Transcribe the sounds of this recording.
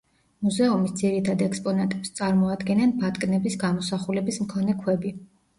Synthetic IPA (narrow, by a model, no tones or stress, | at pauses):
muzɛumisd̪ziɾit̪ʰad̪ɛkspʼɔnat̪ʼɛpst̪sʼaɾmɔad̪ɡɛnanbat̪ʼkʼnɛbisɡamɔsaχulɛbismkʰɔnɛkʰwɛbi